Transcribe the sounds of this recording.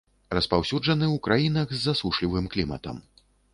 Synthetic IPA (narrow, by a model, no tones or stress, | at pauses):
rɐspawsʲud͡ʐɐnɨwukɾajinɐɣzʲːɐsuʂlʲivɨmklʲimɐ̰t̪ɐ̰m